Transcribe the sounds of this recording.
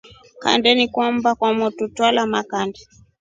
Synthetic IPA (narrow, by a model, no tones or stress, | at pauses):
ka̰ndɛnikwambakwamɔtutwalamakandɛ